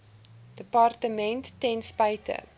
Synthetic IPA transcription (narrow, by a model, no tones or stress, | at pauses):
d̥əpɑrtəmɛntːɛnspajtʰə̰